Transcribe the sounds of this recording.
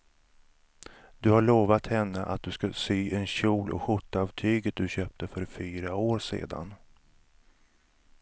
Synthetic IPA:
d̪ɵhaɭoːvat̪hɛnːəʔa̰t̪̚d̪ɵskasyːʔɛnɕuːlʔɔ̰ɧʊt̪ːaɑːvt̪ʰyːɡət̪̚d̪ɵɕøːp̚t̪ʰəfœɾfyːɾaoːɾsḛːd̪a̰n

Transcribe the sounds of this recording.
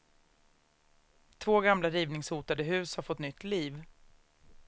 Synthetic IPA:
t̪ʰvoːɡamlaɾiːvnɪŋshuːt̪ad̪əɦʉ̟ːshaɾfɔt̪ːnʏt̪ːliːv

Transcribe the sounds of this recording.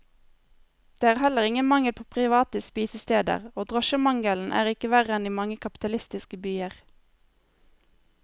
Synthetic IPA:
d̪̥eːæːʁhɛləʁɪŋənmɑŋəlpʰoːpʰʁɪʋɑːt̪əspiːsəst̪eːd̪ə̰ʁoːd̪ʁɔʃəmɑŋɡəln̩ʔæ̰ːʁɪkəʋæʁəɛniːmɑŋəkʰɑpɪ̥t̪ɑlɪst̪ɪskəbyːəʁ

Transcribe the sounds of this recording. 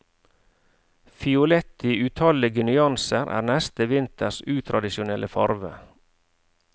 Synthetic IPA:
fɪʊlɛt̪iʉːt̪ʰɑlɪɡənʏɑnsəɾʔæ̰ːnɛst̪əʋɪnt̪ʰəsʉːt̪ʰɾɑd̪ɪʃʊnɛlʔəfɑɾʋə̰

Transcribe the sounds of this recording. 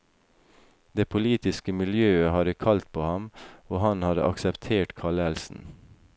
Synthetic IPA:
d̪̥eːpʰʊliːt̪ɪskəmɪljøːəhɑːɾəkʰɑlt̪̚pʰoːhɑmoːhɑnhɑd̪ə̰ʔɑ̰ksɛpt̪ʰeːʈkʰɑɭɛlsn̩

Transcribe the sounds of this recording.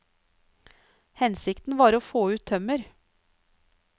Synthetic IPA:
hɛnsɪkt̪n̩ʋɑːɾoːfoːʉːt̪ʰːœməɾ

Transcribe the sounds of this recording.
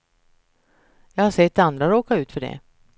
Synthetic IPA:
jɑːɡhaʂɛt̪̚ːand̪ɾaɾoːkaʉ̟ːt̪fœɖɛ̰

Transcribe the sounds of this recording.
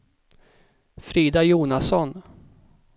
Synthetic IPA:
fɾiːd̪ajuːnasɔn

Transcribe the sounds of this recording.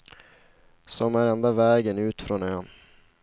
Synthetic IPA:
sɔmæɾɛnd̪avɛːɡənʉ̟ːt̪fɾɔnøːn

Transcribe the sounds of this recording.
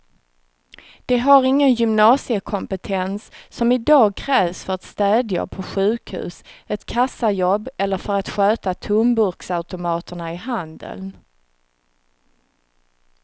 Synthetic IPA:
d̪̥ɛɦaɾɪŋːənjʏmnɑːsɪəkʰɔmpət̪ʰɛnsːɔmɪd̪ɑːɡ̚kʰɾɛːvsfœɾat̪st̪ɛːd̪ja̰pʰɔɧʉ̟ːkhʉ̰ːsɛt̪kʰasːajɔbːɛlːəɾfœɾat̪ɧøːt̪at̪ʰɵmbʊɾksaʉt̪ʊmɑːt̪əɳaɪɦand̪ə̰ln

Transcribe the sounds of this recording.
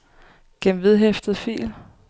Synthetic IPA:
ɡ̥emʋið̞ˠɦefd̥ð̞̩ˠfḭːl

